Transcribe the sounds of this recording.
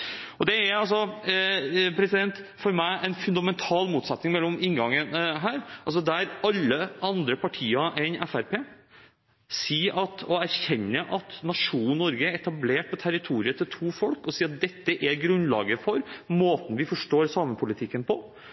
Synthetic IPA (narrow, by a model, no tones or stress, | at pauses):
ɔd̪ɛæɾɑlsɔ | pʰɾɛsɪd̪ɛnt̪fɔɾmæɪʔɛnfʉnd̪ɑmɛnt̪ʰɑːlmuːt̪sɑt̪nɪŋmɛlːɔmɪŋɡɑŋːənɦæːɾʔɑls̬ɔd̪æɾɑlːəɑnd̪ɾəpʰɑʈʰiːəʔɛnɛfæɾpʰeː | siːɑt̪ʰɔæɾçɛnːəʔɑt̪nɑʂuːnnɔɾɡəɾɛt̪ɑbleːʈ̚pʰɔt̪ʰæɾɪt̪ʰuːɾɪət̪ʰɪlt̪ʰuːfɔlkɔsiːɾɑt̪̚d̪ɛt̪ːəʔɛɾɡɾʉnlɑ̰ːɡəfɔɾmoːt̪n̩ʋɪfɔʂʈoːɾsɑːməpʰʊlɪt̪ʰɪkːənpʰɔ